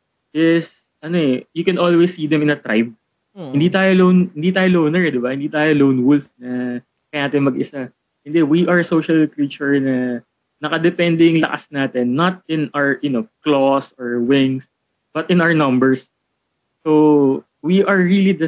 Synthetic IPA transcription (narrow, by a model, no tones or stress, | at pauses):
jɛs | ʔɐnoɛjʊkɛ̃nʔolwesːiːd̪ɛmɪ̃nɐt̪ɾa̰jb̚ | hɪnd̪iːt̪aːjolownhɪnd̪iːt̪aːjolownɛɹɛd̪ɪbahɪnd̪iːt̪aːjolownwʊlfnɐ | kɐjanaːt̪ɪnmɐɡɪsa | ʔɛnd̪ɛwiʔɐɹsoʃɐlkɾit͡ʃʊɹnɐ | nɐkɐd̪ɛpɛnd̪ɛjʊŋlɐ̰ʔa̰snaːt̪ɛnːɐt̪̚ɪ̃nawɹʔʊnoklosɔɹwɪ̃ŋs | b̥ɐt̪ɪ̃nawɛɹnɐmbɛɹsː | o | wiʔɐɹɹilid̪ɐ